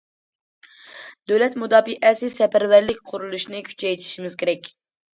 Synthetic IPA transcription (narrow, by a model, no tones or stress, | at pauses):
d̪̥øwlɛt̪mud̪ɑːbiʔɛsɪsɛpæɾvæɾlɪkʲqʰʊɾulˠuʃnɨkʲʰy̥t͡ʃʰɛjt̪ʰi̥ʃimɪzkʲʰeɾɛkʲ